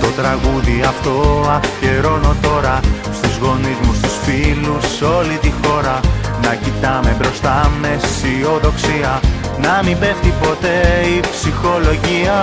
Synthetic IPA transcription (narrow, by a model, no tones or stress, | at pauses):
t̪o̞t̪ɾɐɣuðiɐft̪o̞ɐfce̞ɾo̞no̞t̪o̞ɾɐst̪uzɣo̞nizmust̪usfiluso̞lit̪ixo̞ɾɐnɐcit̪ɐme̞bɾo̞st̪ɐme̞sio̞ðo̞ksiɐ | nɐmibe̞ft̪ipo̞t̪e̞ipsixo̞lo̞ʝiɐ